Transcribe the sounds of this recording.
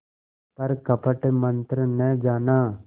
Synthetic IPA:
pɐɾkɐpəʈmə̃nt̪ɾənɛ̃d͡ʒaːnaː

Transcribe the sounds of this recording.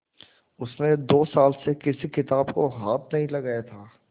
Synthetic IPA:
ʊsnẽd̪oːsaːlsekɪsikɪt̪aːbkoɦaːt̪̚ʰnɐɦĩlɐɡajat̪ʰaː

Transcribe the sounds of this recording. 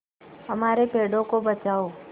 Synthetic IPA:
əmaːɾepeːɖõkobət͡ʃaːoː

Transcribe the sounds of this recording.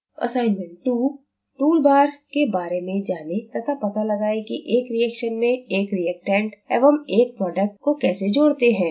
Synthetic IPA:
ɐ̰saːɪnmɛ̃ɳʈ̚ʈuː | ʈuːlbaːɾkebaːɾemẽd͡ʒaːnet̪ɐt̪apɐt̪alɐɡaːekiʔeːkɾiɛːkʃənmẽeːkɾijɛːk̚ʈɛ̃ːɳʈɛbɦɐmeːk̚pɾɔːɖək̚ʈkokɛːsed͡ʒoːɽt̪eɦɛ̃ː

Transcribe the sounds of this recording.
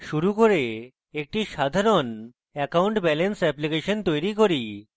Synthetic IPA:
ʃuɾukoɾe | ek̚ʈiʃad̪ʱaɾon | ɛkauɳʈbɛlensɛplikeʃɔnt̪ojɾikoɾi

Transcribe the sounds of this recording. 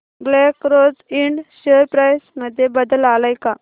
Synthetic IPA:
ɡlekɾod͡ziɳɖɕeɾpɾajsməd̪ʱːjebəd̪əlalajka

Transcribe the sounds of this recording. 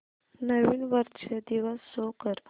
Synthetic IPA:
nəʋinʋəɾt͡ʃʰed̪iʋəsːokəɾ

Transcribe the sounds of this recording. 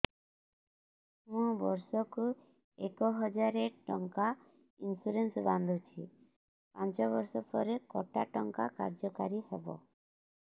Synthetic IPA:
mũbɔɾsɔku | ekɔɦɔd͡ʒaɾeʈɔŋka | insuɾensband̪ʱut͡ʃʰi | pant͡ʃɔβɔɾsɔpɔɾekɔʈaʈɔŋka̰ka̰ɾd͡ʒɔkaɾihebɔ̰

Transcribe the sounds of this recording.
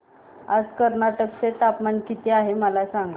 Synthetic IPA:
ad͡zkəɾnaʈəkt͡set̪apmankit̪ʰeaɦeməlasaŋɡa

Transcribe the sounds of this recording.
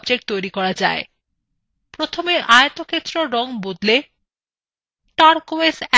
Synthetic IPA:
bd͡ʑek̚ʈ̚t̪ojɾikɔɾad͡ʑa̰e | pɾot̪ʰomeʔaeat̪oket̪ːɾoɾɔŋbod̪le | ʈaɾkoesɛ

